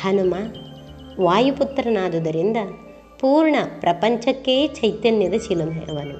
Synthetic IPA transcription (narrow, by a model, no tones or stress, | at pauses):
hɐnumɐ | ʋaːjuput̪ːɾɐnaːd̪ud̪ɐɾind̪ɐ | puːɾɳɐpɾʔɐpɐɲt͡ʃɐkːeːt͡ʃɐjt̪ɐnjɐd̪ɐt͡ʃilɐmḛʔɐʋɐnu